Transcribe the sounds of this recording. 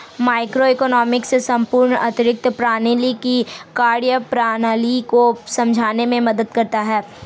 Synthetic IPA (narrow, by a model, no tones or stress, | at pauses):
maːɪkɾoekɔnɔːmɪksesɐ̃mpʊːɾɳɐt̪ɪɾɪk̚t̪pɾaːniːlikikaːɾjəpɾaːnaːlikosɐ̃md͡ʒʱaːnemẽmɐd̪əd̪̚kɐɾt̪aɦɛː